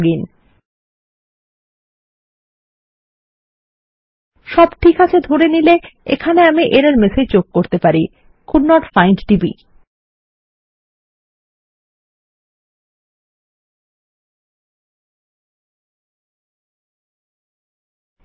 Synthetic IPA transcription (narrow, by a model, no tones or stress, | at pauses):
ɡin | ʃɔbʈʰikɦat͡ɕʰed̪ʱoɾenileḛkʰaneamiʔeɾaɾmeset͡ɕokkːoɾt̪epaɾi | kʰuɖnːɔʈfajnʈʈibḭ